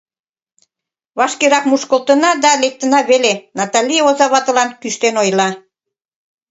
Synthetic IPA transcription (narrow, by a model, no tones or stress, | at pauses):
βɑʃkeɾɑkmuʃkə̆lt̪ənɑd̪ɑlek̚t̪ə̆nɑβelenɑt̪ɑlʲijeozɑβɑt̪ə̆lɑnkyʃt̪enojlɑ